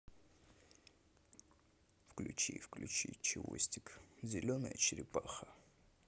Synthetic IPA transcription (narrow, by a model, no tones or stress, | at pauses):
fklʲʊt͡ɕifklʲʉt͡ɕḭt͡ɕɪvo̰sʲtʲɪkzʲɪlʲonə̰jə̰t͡ɕɪɾʲɪpaxə